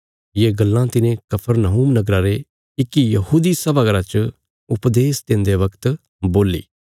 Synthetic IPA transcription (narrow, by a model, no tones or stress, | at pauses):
jeɡɐlːãt̪ɪnẽkɐpʰəɾnaɦuːmnɐɡɾaɾe | ɪkːijɐɦuːd̪isɐbaɡəɾat͡ʃ | ʊpd̪eːsd̪ẽnd̪eʋɐkt̪ | boːlːḭː